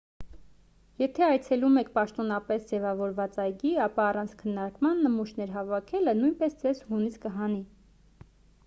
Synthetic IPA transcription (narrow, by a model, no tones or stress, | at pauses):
jɛt̪ʰɛɑjt͡sʰɛlumɛkʰpɑʃt̪ɔn̪ɑpɛsd͡zɛvɑvɔɾvɑt͡sɑjɡiɑpɑːrɑnt͡sʰkʰənːɑɾkmɑnːəmuʃnɛɾɦɑvɑkʰɛlənujnpɛsd̪vɛshuniskəɦɑni